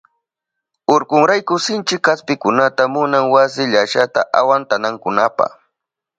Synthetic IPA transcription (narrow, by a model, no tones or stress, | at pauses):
oɾkʊŋɾajkʊsɪnt͡ʃɪkːaspɪkʊnat̪amʊnaŋwasɪʎaʃat̪a̰ʔa̰want̪anaŋkʊnapa̰χ